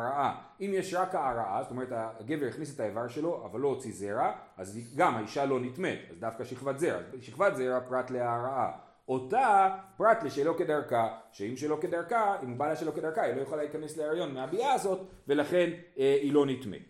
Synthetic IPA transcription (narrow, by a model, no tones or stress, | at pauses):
ʁaʔa | imjeʃʁakaːʁaʔa̰zotome̞ʁetaɡe̞veʁiχnis̬etaevaʁʃe̞lo̞ʔa̰valːo̞ot͡sizeʁaaziɡamaiʃalo̞nitme̞dazdafkaʃiχvatzeʁa̰zʃiχvat̪ze̞ʁapʁatleaːʁaa̰ | o̞tapʁatleʃelo̞ke̞daʁkaʃeimʃelo̞ke̞daʁkaimubaleaʃelo̞kedaʁkailo̞joχalaikane̞sleeʁajo̞nmeabiaːzo̞t | ve̞laχe̞neilo̞nitmḛ